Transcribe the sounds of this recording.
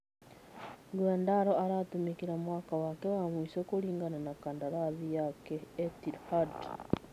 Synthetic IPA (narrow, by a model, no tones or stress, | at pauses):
ɡwandaɾoaɾatumikiɾamwaːkawakewamwisoːkuliːŋɡananakandaɾaðijakeːtihad